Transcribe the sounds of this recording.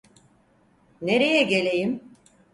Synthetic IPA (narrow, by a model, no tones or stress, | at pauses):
neɾejɛɟe̞lʲe̞jim